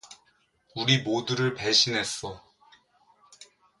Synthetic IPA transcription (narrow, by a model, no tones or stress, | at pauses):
uɾimoduɾɯɭpeɕʰinɦe̞s͈ʌ